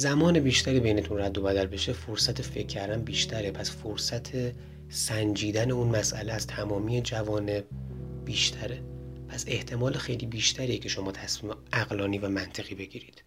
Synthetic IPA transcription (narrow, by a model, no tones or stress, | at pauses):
zæmɒːnebiːʃt̪ʰæɾiːbe̞jnet̪ʰunræd̪ːo̞bæd̪ælbe̞ʃefoɾsæt̪ʰefe̞cʰːæɾd̪æmbiːʃt̪ʰæɾepʰæsfoɾsæt̪ʰe | sænd͡ʒiːd̪æne̞unmæsʔæleæz̥t̪ʰæmɒːmiːed͡ʒævɒːne̞b̚b̥iːʃt̪ʰæɾe̞pʰæse̞ht̪ʰe̞mɒːlexejliːbiːʃt̪ʰæɾiːecʰe̞ʃo̞mɒːt̪ʰæsmiːmeæɣlɒːniːvæmænt̪ʰe̞ɣiːbe̞ɡiːɾiːd̪̥